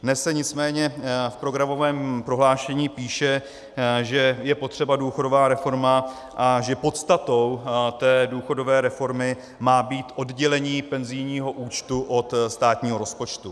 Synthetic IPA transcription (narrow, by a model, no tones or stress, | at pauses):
dnɛsɛɲɪt͡smɛːɲɛfpɾo̞ɡɾamo̞vɛːmpɾo̞ɦlaːʃɛɲiːpiːʃɛ | ʒɛjɛpot̪r̝̥ɛbaduːxo̞do̞vaːɾɛfo̞ɾma | ʔaʒɛpo̞t̪st̪at̪o̞wt̪ɛːduːxo̞do̞vɛːɾɛfo̞ɾmɪ | maːbiːt̪ʔo̞dɟɛlɛɲiːpɛnzɪjɲiːɦo̞ʔuːt͡ʃt̪uʔo̞t̪st̪aːt̪ɲiːɦo̞ɾo̞spo̞t͡ʃt̪u